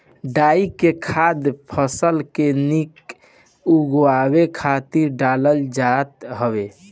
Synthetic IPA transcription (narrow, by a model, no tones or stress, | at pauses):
ɖaikekʰad̪pʰəsəlkenik | uɡwabekʰat̪iɾɖaləld͡ʒat̪ɦəbe